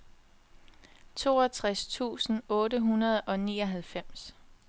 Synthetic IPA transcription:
t͡sʰo̝̰ːɒt͡sʰʁast͡sʰṵːsn̩ɔ̽ːɾəɦunɐð̞ˠɒ̽niːɒ̽ɦælfem̰s

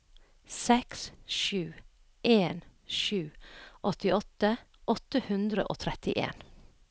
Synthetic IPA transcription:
sɛksʃʉː | ʔeːnʃʉːʔɔt̪ɪɔt̪əʔɔt̪əhʉnd̪ɾəʔo̰ːt̪ʰɾɛt̪ɪʔḛːn

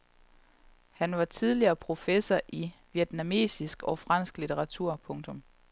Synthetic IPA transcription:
hænʋɑ̈t͡sʰið̞ˠliɐːpʰʁo̝fesɐʔiʋied̥næme̝̰ːsisɡ̥ɒ̽fʁɑ̈n̰sɡ̥lit͡sʰeʁɑ̈t͡sʰuɐ̰pʰɔ̽ŋt͡sʰɔ̽m

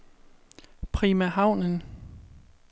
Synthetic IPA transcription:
pʰʁimæɦɑ̈ʊ̰nən

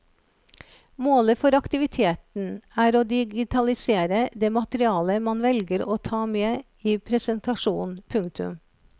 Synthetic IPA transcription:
moːləfɔɾɑkt̪ɪʋɪt̪ʰeːt̪n̩æːɾoːd̪ɪɡɪt̪ʰɑlɪseːɾəd̪eːmɑt̪əɾɪɑːləmɑnʋɛlɡəɾoːt̪ʰɑːmeː | iːpʰɾɛsənt̪ɑʂuːnpʰʉŋt̪ʰʉ̰m

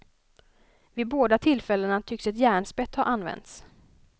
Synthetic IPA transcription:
vɪboːd̪at̪ʰɪlːfɛlːənat̪ʰʏksɛt̪jæːɳspɛt̪ːhaʔanːvɛ̰nt̪s

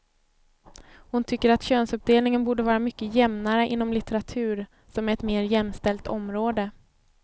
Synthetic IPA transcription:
hʊnt̪ʰʏkːəɾat̪ɕøːnsɵp̚d̪eːlnɪŋənbuːɖəvɑːɾamʏkːəjɛmnaɾəʔɪn̪ːɔmlɪt̪ɛɾat̪ʰʉ̟ːɾ | sɔmæɾɛt̪meːɾjɛmːst̪ɛlt̪ʰɔmɾoːd̪ə

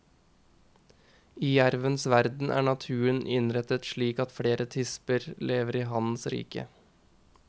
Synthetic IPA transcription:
iːjæɾʋənsʋæɾd̪n̩ʔæ̰ːɳɑt̪ʰʉːənʔɪnɾɛt̪ət̪ʃɭiːkɑt̪fɽeːɾət̪ʰɪspəɾleːʋəɾiːɦɑnsɾḭːkə̰

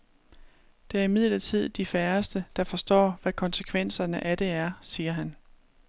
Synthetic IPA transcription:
d̥e̝æɐimið̞̰lɐt͡sʰið̞̰ˠd̥ifæɐsd̥əd̥ɑ̈fɒ̽sd̥ɒ̰ːʋækʰɒ̽nsəkʰʋen̰sɐnəʔæd̥e̝æɐsiːɐɦæn

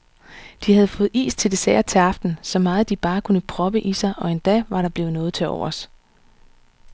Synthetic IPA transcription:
d̥ihæð̞ˠfɔ̽ːð̩ˠḭːst͡sʰe̝ld̥e̝sɛɐt͡sʰe̝ɑ̈fd̥n̩sɒ̽mɑ̈ːð̞̩ˠd̥ib̥ɑ̈ːkʰunəpʰʁɒ̽b̥əʔisɑ̈ɪʔɒ̽e̝nd̥ɛ̰ʋɑ̈ɾɑ̈b̥le̝ʊnɔ̽ːð̞̩ˠt͡sʰe̝ɒ̰ʊ̰ɐs

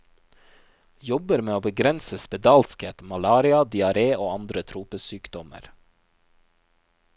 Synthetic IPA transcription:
jɔbəɾmeːoːbəɡɾɛnsəspɛd̪ɑːlskeːt̪mɑlɑːɾɪɑd̪ɪɑɾeːʔoːɑnd̪ɾət̪ʰɾuːpəsyːkd̪̥ɔmə̰ɾ

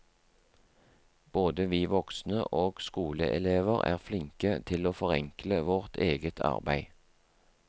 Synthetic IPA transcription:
b̥oːd̪əʋiːʋɔksnə̰ʔoːɡ̥skuːlə̰ʔɛleːʋəʁæ̰ːʁflɪŋkət̪ʰɪloːfɔʁɛŋkləʋɔʁt̪ʰeːɡət̪ʰɑ̰ʁbæɪ

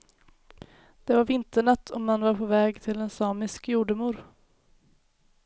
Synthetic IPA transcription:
d̪̥ɛvaɾvɪnt̪əɳat̪ʰːɔmːanvaɾpʰovɛːɡt̪ʰɪlɛnsɑːmɪskjuːɖəmuːɾ

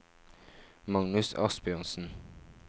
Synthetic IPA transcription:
mɑŋnʉsɑ̰sbjœʁnsn̩

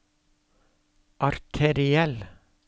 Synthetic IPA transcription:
ʔɑɾt̪ʰɛɾɪɛl

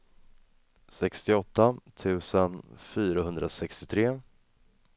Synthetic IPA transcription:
sɛkst̪ɪɔt̪ːat̪ʰʉ̟ːsənfyːɾahɵnd̪ɾʔasɛkst̪ɪt̪ʰɾeː

